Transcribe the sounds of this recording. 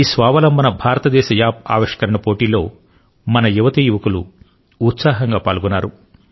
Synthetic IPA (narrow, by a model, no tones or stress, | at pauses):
iːsʋaːʋɐlɐmbɐnɐbʱaːɾɐt̪ɐd̪ɛːʃɐjaːp̚a̰ːʋiʂkɐɾɐɳɐpo̞ːʈiːlo̞ː | mɐnɐjuʋɐt̪ijuʋɐkuluː | t̪saːɦɐŋɡaːpaːlɡunːaːɾu